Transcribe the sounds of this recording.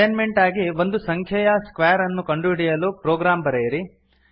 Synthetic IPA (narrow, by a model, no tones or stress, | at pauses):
ɐnmeɳʈaːɡiʋo̞nd̪usɐŋkʰjɐjɐskʋeːɐɾɐnːukɐɳɖuiɽijɐluːpɾoːɡɾaːmbɐɾejɾi